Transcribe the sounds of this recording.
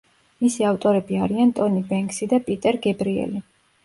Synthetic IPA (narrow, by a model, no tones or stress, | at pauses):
misiaft̪ʼɔɾɛbiaɾiant̪ʼɔnibɛŋksid̪apʼit̪ʼɛɾɡɛbɾiɛ̰li